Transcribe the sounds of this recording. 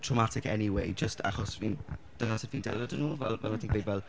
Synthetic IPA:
tʰɹ̥ɔmatʰɪkɛ̰niwejd͡ʒəstʰa̰χɔsind̥ənasə̥viːndɛlˠədənoːvɛlˠmɛaθɪ̃ŋk̚bevɛlˠ

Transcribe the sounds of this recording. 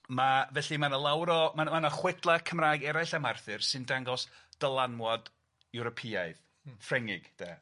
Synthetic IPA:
mavɛɬimanəlˠawɾɔmaanɔχwɪdlˠakʰəmraːjɡɛɾajɬamarθɨrsɨndaŋɡɔsd̥əlˠanwɔd | ɛwɾɔpʰiaɨð | frɛŋɪɡ̥d̥ɛ̰ː

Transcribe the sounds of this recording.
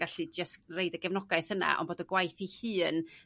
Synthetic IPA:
aɬɨd͡ʒasrejdəɡɛvnɔɡaɨθəna̰ʔɔ̰ndboːdəɡwajθihɨːn

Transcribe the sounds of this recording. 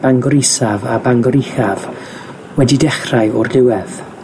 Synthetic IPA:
b̥aŋɡɔɾɪsavabaŋɡɔɾixav | wɛdidɛχrajɔrlɪwɛð

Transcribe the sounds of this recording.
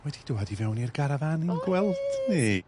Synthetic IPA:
wɛd̥id̥uːadivɛwnirɡaɾavaninɡwɛlˠd̥ne

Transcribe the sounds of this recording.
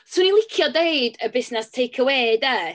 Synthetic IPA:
swʊnilˠɪkʰjɔdeɨdəbɪsnɛstʰejkʰəweːdə

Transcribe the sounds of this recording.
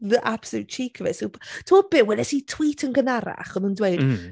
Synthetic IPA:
ðəʔab̥slˠut̚t͡ʃʰiːkʰəvɛsotʰuːb̥ɪwɛlɛsitʰw̥iːtʰənɡənaɾa̰χɔnəndweɨd̥

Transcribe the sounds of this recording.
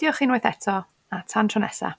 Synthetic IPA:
jɔχiːnwɛjθɛtʰɔ | atʰantʰrɔnɛsa̰

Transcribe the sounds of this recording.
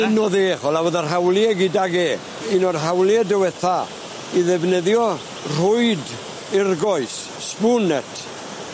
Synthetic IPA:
ɪnɔðeːχɔlawəðər̥ɦawlˠiɛɡɪdaɡeː | inɔrɦawlˠiɛdəwɛθa | iðɛvnəðjɔ | r̥ʊɨd | ɪrɡɔɨs | spʊnɛtʰ

